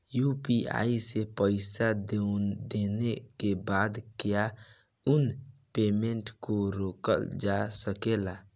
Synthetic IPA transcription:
jupia̰isepəɪsad̪ed̪enekebad̪keja | ʊnpeːmeɳʈkoɾoːkə̰ld͡ʒasəkela

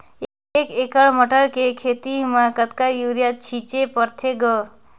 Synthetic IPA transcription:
ekekəɭməʈəɭkekʰet̪imãkət̪kajuɾjat̪̚t͡ʃʰit͡ʃepəɾt̪ʰeɡə

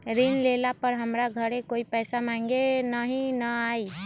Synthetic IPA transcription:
ɾinlelapəɾɦəmɾaɡʱəɾekoipɛjsamãŋɡenəɦĩnəai

